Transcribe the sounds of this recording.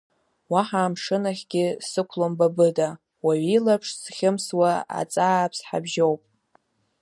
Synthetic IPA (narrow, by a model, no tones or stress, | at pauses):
waħaːmʂɨnaχʲɡʲɪsɨkʷʰlombabɨda | waɥilapʰʂsχʲɪmswaa̰t͡sʼaːpʰsħa̰bʒowpʼ